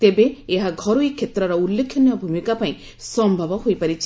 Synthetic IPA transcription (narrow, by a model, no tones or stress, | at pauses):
t̪ebeeɦaɡʱɔɾuikʰːet̪ɾɔɾɔulːekʰjɔnjɔbʱumikapaĩ | sɔmbʱabɔhojpaɾit͡ʃʰ